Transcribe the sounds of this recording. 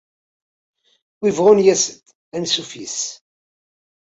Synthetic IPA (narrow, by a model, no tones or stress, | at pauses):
wivʁʊnjæsət̪ | ænsufis